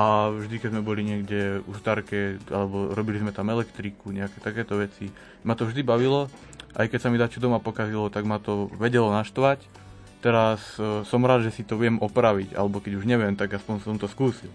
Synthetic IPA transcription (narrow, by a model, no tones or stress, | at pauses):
avʒd̪ikɛzmɛbɔliɲɪɛɡɟɛust̪aɾkɛalɛbɔɾɔbilizmɛt̪amɛlɛkt̪ɾikuɲɛakɛt̪akɛːt̪ɔʋɛt͡si | mat̪ɔvʒd̪ibaʋilɔ | ʔa̰jkɛcsamid̪at͡ʃud̪ɔmapɔkazilɔt̪aɡmat̪ɔʋɛɟɛlɔnaʃt̪ʋac | t̪ɛɾassɔmɾaːd̪ʒɛsit̪ɔʋɪɛmʔɔpɾaʋica̰lɛbɔkɛɟuʒɲɛʋɪɛmt̪aɡaspɔɲsɔmt̪ɔskuːsil